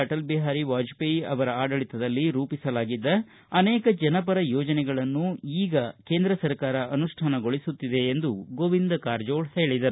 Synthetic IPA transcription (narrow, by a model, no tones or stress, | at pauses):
ɐʈɐlbɛɦaːɾiʋaːd͡ʒpeɐʋɐɾɐaːɖɐɭit̪ɐd̪ɐlːiɾuːpisɐlaːɡid̪ːɐ | ɐneːkɐd͡ʒɐnɐpɐɾɐjoːd͡ʒɐnɛɡɐɭɐnːuiːɡɐke̞ːnd̪ɾɐsɐɾkaːɾɐʔɐnuʂʈʰaːnɐɡo̞ɭisut̪ːid̪e̞ːnd̪uɡoʋind̪ɐkaːɾd͡ʒoːɭsɐeɭid̪ɐɾu